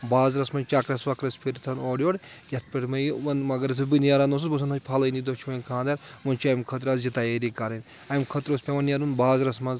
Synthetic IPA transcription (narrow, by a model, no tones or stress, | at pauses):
baːzɾɐsmɐnt͡ʃakɾɐsʋɐkɾɐspʰiɾt̪ʰɐnoːɽʲoːɽ | jʲɐt̪̚ʰpʲeʈmɐjʋɐnmɐɡɐɾɐt̪ʰubinjaɾanos̬usbɐs̬ɐnɐpʰɐlɐnid̪ot͡ʃʰmɐjkʰãːnd̪ɐɾmɐnʲt͡ʃɐjmkʰɐt̪ɾaːzd͡ʒit̪aːjeɾikaɾɐnʲ | ɐmkʰɐt̪ɾosʲpʲeʋɐnjaɾunbaːzɾɐsmɐnz